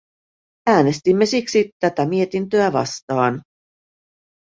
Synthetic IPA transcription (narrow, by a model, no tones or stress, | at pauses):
æːne̞st̪imːe̞siksit̪æt̪æmie̞t̪int̪ø̞æʋɑ̰st̪ɑːn